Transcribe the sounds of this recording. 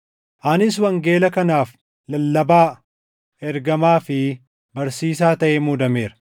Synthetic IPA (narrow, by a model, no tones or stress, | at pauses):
ʔanɪs̬wɐŋɡe̞ːlɐkɐnaːf | lɐlːɐbaː | ɛɾɡɐmaːfɪ | bɐɾsiːs̬aːt̪ɐʔemʊd̪ɐme̞ːɾɐ̥